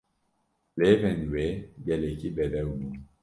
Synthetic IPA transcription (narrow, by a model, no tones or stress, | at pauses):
levɛ̃nwebɛlekibɛdɛunu